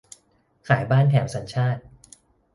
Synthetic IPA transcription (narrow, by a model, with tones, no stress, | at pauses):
kʰaː˩˦jbaː˥˩nt̪ʰɛː˩˦msa˩˦nt͡ɕʰaː˥˩t̪̚